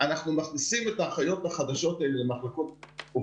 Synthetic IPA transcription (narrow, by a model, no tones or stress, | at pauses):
anaχnumaχnisimet̪aːχajo̞t̪haχad̪aʃo̞t̪aelelemaχlako̞t̪̚u